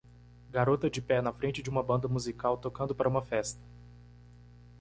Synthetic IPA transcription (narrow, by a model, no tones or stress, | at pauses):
ɡaɾot̪ɐd͡ʒɪpɛnɐfɾẽt͡ʃɪd͡ʒɪũmɐbɐ̃nd̪ɐmuzikawt̪okɐ̃nd̪ʊpaɾɐũmɐfɛst̪ɐ̥